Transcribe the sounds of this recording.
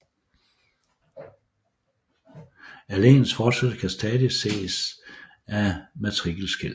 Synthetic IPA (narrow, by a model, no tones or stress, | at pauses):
ælḛːnsfɒːd̥sed̥əkʰæsd̥ɛːðˠise̝̰ːs | ʔæmæt͡sʰʁiɡ̥əl̩sɡ̥el̰